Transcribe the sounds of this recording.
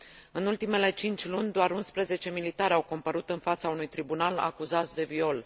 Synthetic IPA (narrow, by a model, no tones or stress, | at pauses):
ɨnult̪ime̞le̞t͡ʃint͡ʃʲlunʲd̪oaɾunspɾeze̞t͡ʃe̞milit̪aɾeawkompəɾut̪ɨnfat̪saunujt̪ɾibunala̰kuzat̪sʲd̪e̞vio̞l